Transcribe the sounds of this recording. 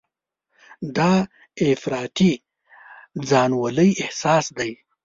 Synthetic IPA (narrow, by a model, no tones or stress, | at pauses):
d̪ɑ | ɪfɾɑːt̪i | d͡zɑnwaləjɪhsɑːsd̪aj